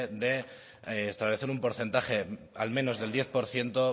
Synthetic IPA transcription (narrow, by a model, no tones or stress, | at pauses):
ðe̞ː | st̪aβle̞θeɾumpo̞ɾθe̞nt̪aχe̞ | almẽ̞no̞zðeld̪je̞θpo̞ɾθje̞nt̪o